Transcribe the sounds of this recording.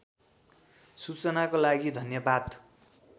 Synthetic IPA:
sut͡sʌnakolaɡid̪ʱʌnjʌbad̪

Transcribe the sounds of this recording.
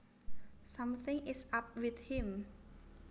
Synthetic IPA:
sãmθɪ̃ŋɪsap̚wɪθhɪ̃m

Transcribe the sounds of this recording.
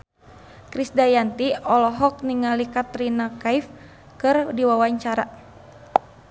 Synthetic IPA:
kɾisdajant̪iɔlɔɦɔk̚niŋalikat̪ɾinakaif | kɨrdiwawaɲt͡ʃaɾa̰

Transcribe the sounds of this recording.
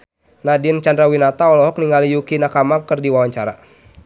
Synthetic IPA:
nadint͡ʃandɾawinat̪aɔlɔɦɔk̚niŋalijukinakamakɨrdiwawaɲt͡ʃaɾa̰

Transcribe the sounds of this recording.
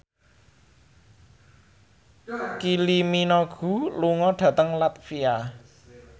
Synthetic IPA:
kiliminɔɡ̥ṳluŋɔɖ̥ä̤t̪əŋlat̪̚fia

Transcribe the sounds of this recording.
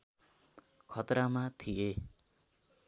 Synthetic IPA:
kʰʌt̪ramat̪ʰije

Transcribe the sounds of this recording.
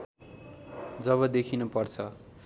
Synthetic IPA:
d͡zʌβʌd̪ekʰinupʌrt͡sʰʌ

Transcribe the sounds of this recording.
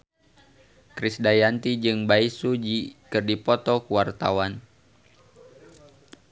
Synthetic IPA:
kɾisdajant̪id͡ʒɨŋbaisud͡ʒikɨrdipɔt̪ɔkuwart̪a̰wan

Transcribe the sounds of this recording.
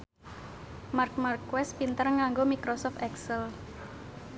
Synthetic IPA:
mark̚markːwɛspint̪ərŋaŋɡomikɾosɔft̪ɛksəl

